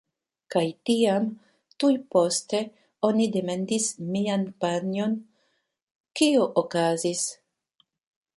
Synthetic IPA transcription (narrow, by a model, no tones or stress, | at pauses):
kajtiam | tujpo̞ste̞ | o̞nidemendismianpano̞n | kioʔokazis